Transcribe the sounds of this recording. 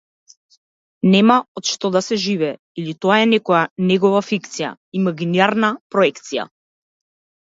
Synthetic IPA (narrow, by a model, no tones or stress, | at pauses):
nɛmaɔt̪ʃt̪ɔd̪asɛʒivɛː | ilit̪ɔaɛnɛkɔjanɛɡɔvafikt̪sija̰ | imaɡiniaɾnapɾɔɛkt̪sija̰